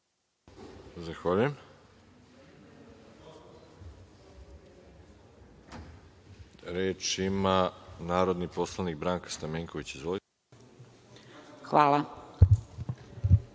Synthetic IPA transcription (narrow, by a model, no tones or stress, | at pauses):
zaxʋaʎujem | ɾeːt͡ʃimanaːɾo̞d̪nipo̞slˠanik̚bɾaːŋkḁst̪ameːŋko̞ʋit͡ɕizʋoli | xʋaːla